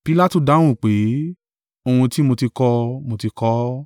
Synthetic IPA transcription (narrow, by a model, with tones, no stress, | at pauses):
pi˨˦la˦tu˨da˨˦w̃ũ˦˨k͡pe˨˦ | o˧hũ˧ti˦mo˧ti˧kɔ˧mo˧ti˧kɔ˦